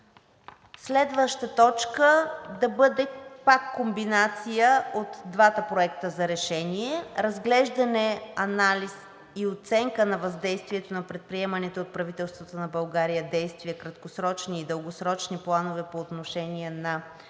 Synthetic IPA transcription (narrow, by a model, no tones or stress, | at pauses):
slɛd̪vəʃt̪ət̪ɔt͡ʃkəd̪ɐbɤd̪ɛpakːombinat̪sijəot̪d̪vat̪əpɾoɛkt̪əzɐɾɛʃɛniɛɾɐzɡlɛʒd̪ɐnɛɐnalʲis | iot̪sɛŋkənɐvɐzd̪ɛjst̪viɛt̪onɐpɾɛt̪̚pɾiɛmɐnɛt̪oot̪̚pɾɐvit̪ɛlˠst̪vət̪onɐbɐlˠɡaɾijəd̪ɛjst̪viəkɾɐt̪kosɾɔt͡ʃniːd̪əlˠɡosɾɔt͡ʃniplˠanovɛpoːt̪noʃɛnʲiɛnɐ